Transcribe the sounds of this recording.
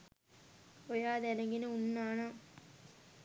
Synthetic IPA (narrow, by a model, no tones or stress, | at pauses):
ojaːd̪ɛnɐŋɡinəunːaːna